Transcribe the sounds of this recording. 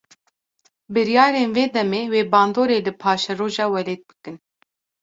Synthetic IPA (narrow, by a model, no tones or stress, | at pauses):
bɨɾjɑːɾeːnveːd̪ɛmeːweːbɑːnd̪oːɾeːlɨpʰɑːʃɛroːʒɑːwɛleːt̪̚bɨ̥kɨn